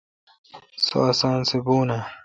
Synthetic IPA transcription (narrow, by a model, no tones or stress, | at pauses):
so̰asãːnsebuːna